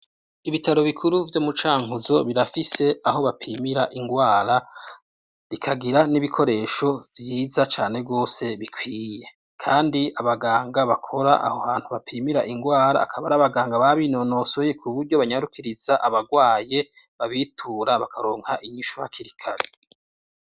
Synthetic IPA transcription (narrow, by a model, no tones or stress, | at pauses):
iβitaɾo̞βikʰuɾuvjo̞mut͡ʃaːŋuzo̞βiɾafise̞aɦo̞βapʰiːmiɾaʔiŋɡwaːɾa | βikʰaɡiɾaniβikʰo̞ɾe̞ːʃo̞vjiːzat͡ʃaːne̞b̚ɡo̞ːse̞βikwiːje̞ | kʰaːndiaβaɡaːŋɡaβakʰo̞ɾaʔa̰hoβaːn̥huβapʰimiɾaʔiŋɡwaːɾa̰ːkʰaβaɾaβaɡaːŋɡaβaβino̞no̞sojekʰuβuɾɟo̞βaɲaɾukʰiɾizaʔaβaɡwaːje̞βaβitʰuːɾaβakʰaɾo̞ːŋ̥haʔiɲiʃoha̰kʰiɾikʰaɾe